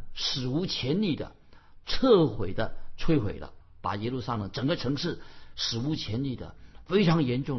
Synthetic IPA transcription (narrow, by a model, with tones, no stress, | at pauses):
ʂɻ̩˨˩u˧˥t͡ɕʰjɛ˧˥nli˨˩d̪ə̰˦ | ʈ͡ʂʰɤ˥˩xwe˨˩ɪd̪ə˦t͡sʰwe˥ɪxwḛ˨˩ɪlə̰˦ | pa̰˨˩jɛ˥lu˥˧sa˥lə˨˩ŋʈ͡ʂə˨˩ŋɡə˦ʈ͡ʂʰɤ˧˥ŋʂɻ̩˥˩ʂɻ̩˨˩u˧˥t͡ɕʰjɛ˧˥nli˨˩d̪ə̰˦fe˥ɪʈ͡ʂʰɑ˧˥ŋjɛ˧˥nʈ͡ʂʊ˥˩